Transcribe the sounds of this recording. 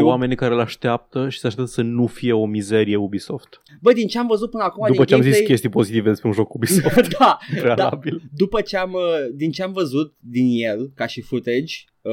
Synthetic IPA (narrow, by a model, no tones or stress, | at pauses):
wame̞nʲkaɾelaʃt̪eap̚t̪əʃi̥seaʃt̪at̪əsənufije̞o̞mize̞ɾije̞ubiso̞ft̪ | bəd̪int͡ʃe̞amvəzut̪̚pɨnəakumad̪uipət͡ʃeamzisskʲe̞st̪ijpo̞zit̪ived̪e̞spɾeunʒo̞kubisofd̪apɾealabild̪upət͡ʃeaməd̪int͡ʃe̞amvəzut̪̚d̪injelkaʃifut̪ed͡ʒʲ